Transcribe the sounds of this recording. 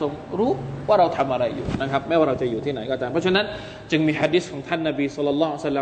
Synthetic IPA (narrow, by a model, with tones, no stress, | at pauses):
o˧ŋɾuː˦˥waː˥˩ɾa˧wt̪ʰa˧mʔa˧ɾa˧jːṵː˨˩na˦˥˩kʰɾa˦˥p̚mɛː˦˥˩waː˥˩ɾa˧wt͡ɕa˨˩juː˨t̪ʰiː˥˩na˩˦jkɔː˥˩t̪aː˧mpʰɔ˦˥t͡ɕʰna˦˥n | t͡ɕɯ˧ŋmiː˧ħaː˧diː˦˥skʰɔː˩˦ŋt̪ʰa˥˩nːa˧biː˧sɑ˦˥lːɔ˧lːɑː˦˥ɦu˧˥˩sa˧˥lːa˧